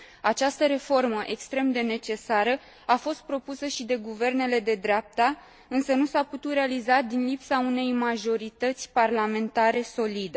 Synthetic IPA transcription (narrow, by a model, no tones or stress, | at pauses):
at͡ʃast̪əɾe̞fo̞rməʔe̞kst̪ɾe̞md̪e̞ne̞t͡ʃe̞saɾə | afo̞st̪̚pɾo̞pusəʃid̪e̞ɡuve̞rne̞le̞d̪e̞d̪ɾeap̚t̪a | ɨnsənusaput̪ut̪ɾe̞alizad̪inlipsaune̞jmaʒo̞ɾit̪ət̪sʲparlame̞nt̪aɾe̞so̞lid̪e